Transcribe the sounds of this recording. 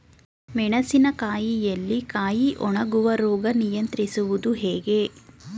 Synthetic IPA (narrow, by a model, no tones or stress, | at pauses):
mɛɳɐsinɐkaːjijɐlːikaːjiʔɔɳɐɡuʋɐɾɔːɡɐnijɐnt̪ɾisuʋud̪uɦɛːɡe